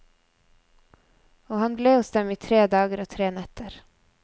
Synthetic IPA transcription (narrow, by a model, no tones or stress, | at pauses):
oːhɑnbleːhʊsd̪ɛmiːt̪ʰɾeːd̪ɑːɡəɾoːt̪ʰɾeːnɛt̪əɾ